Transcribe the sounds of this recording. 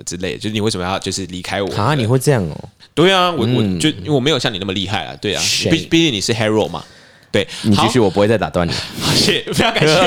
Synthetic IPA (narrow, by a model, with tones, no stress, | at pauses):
ʈ͡ʂɻ̩˦˥le˥˩ɪjo˥˧ʂ̩˥˩i˨˩wsə˩mə˧jɑ˥˧t͡ɕjo˥˧ʊʂ̩˥˩li˧˥kʰa˥ɪwɔ̰˨˦˨ni˨˩xwe˥˧ɪʈ͡ʂɤ˥˧jɑ˥˩ŋɔ̰˨˩t̪we˥˩ɪɐ˩wɔ˨˩wɔ˨jo˥˧ʊi˥˧e˨˩˨me˧˥jo˨˩ɕjɑ˥˨ni˨˩n˥˩mə˨li˥˧xa˥˩ɪlə̰˩t̪we˥˩ɪɐ̰˩i˥˩˥pi˥˧˩t͡ɕi˥ŋni˨˩ʂɻ̩˥˩xɛ˥ɹo˥˩ʊmɐ̰˩ | t̪we˥˩ɪni˨˦˥y˥˩˨wɔ˨p̬u˦xwe˥˧t͡sa˥ɪt̪a˨˩t̪wa˥˩nḭ˨˩xa˥˩ɕɛ˥˩fe˥jɑ˧˥ŋka˨˩ɛ˦